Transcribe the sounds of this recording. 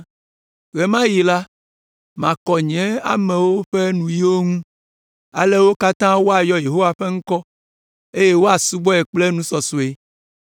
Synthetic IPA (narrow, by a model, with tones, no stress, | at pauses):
ɣe˨mã˦ji˨la˦ | mã˨kɔ˨ɲɛ̃˦a̰˦mɛ̃˨wo˦ɸe˦nũ˨ji˦wo˦ŋũ˦ | a̰˨le˦wo˦ka˦t̪ã˦wo˦a˨jɔ˦je˨ɦo˦wa˨ɸe˦ŋ̩̃˦kɔ˦ | e˦je˦wo˦a˨su˦bɔ˦e˨k͡ple˦nũ˦sɔ˨so˨e˨